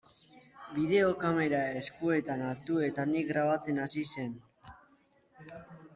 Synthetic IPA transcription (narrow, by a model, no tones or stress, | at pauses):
biðe̞o̞kame̞ɾae̞skue̞t̪anaɾt̪ue̞t̪anik̚ɡɾaβ̞at͡se̞nasise̞n